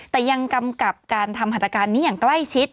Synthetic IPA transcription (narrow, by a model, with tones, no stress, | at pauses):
t̪ɛː˨˩ja˧ŋka˧mka˨˩p̚kaː˧nt̪ʰa˧mːhaː˧˥˩t̪ɾa˧kaː˧nːiː˦˥jaː˨˩ŋkla˥˩jt͡ɕʰi˦˥t̪̚